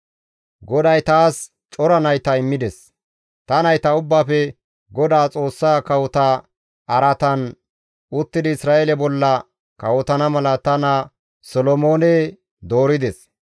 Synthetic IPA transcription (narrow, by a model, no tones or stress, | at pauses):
ɡɔd̪ɐjt̪aːs | t͡ʃʼɔɾɐnɐjt̪ɐɪmːɪd̪ɛs | t̪ɐnɐjt̪ɐʊbːaːfɛ | ɡɔd̪aːt͡sʼo̞ːsːaːkɐwɔt̪a | ɐɾɐt̪ɐn | ʊt̪ːɪd̪ɪɪsɾaːʔelɛbɔlːɐ | kɐwɔt̪ɐnɐmɐlɐt̪ɐnɐ | sɔlɔmoːne | d̪o̞ːɾɪd̪ɛs